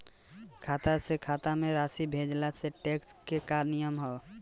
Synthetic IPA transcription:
kʰaːt̪asekʰat̪ameɾasibʱed͡ʒlaseʈekskekaɾnijəmɦɔ

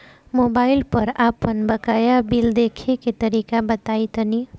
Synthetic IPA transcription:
moːbaːɪlpəɾaːpənbəkajabild̪ekʰeket̪əɾiːkabət̪aːit̪əni

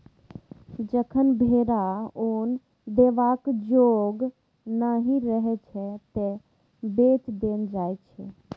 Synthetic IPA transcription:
d͡ʒəkʰənbʱeɾaoːn | d̪eʋakd͡ʒoɡ | naɦĩɾəɦɛt͡ʃʰɛt̪e | beːt͡ʃd̪eːnd͡ʒaːjt͡ʃʰɛ̰

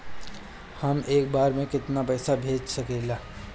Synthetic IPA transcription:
hɐmeːk̚baːɾmẽkɪt̪napɐːsabʱeːd͡ʒsɐkeːlaː

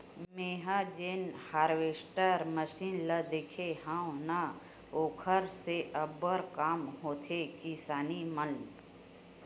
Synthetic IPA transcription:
meːɦad͡ʒeːnhaːɾʋeːsʈəɾməʃiːnləd̪eːkʰeɦãwna | oːkʰəɾseʔəbəɾkaːmɦoːt̪ʰekisaːnimən

